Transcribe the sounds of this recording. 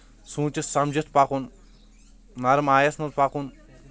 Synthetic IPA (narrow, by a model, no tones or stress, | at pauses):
sũːt͡ʃisɐmd͡ʒit̪ʰpakun | nɐɾmaːjɐsnɐt̪pakun